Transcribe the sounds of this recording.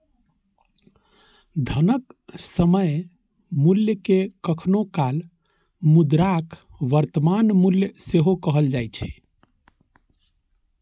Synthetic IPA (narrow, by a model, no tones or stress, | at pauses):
d̪ʱənəksəməj | muljəkekəkʰnokal | mud̪ɾakʰ | ʋəɾt̪əmanmuljəseɦokəɦəld͡ʒajt͡ʃʰɛ̥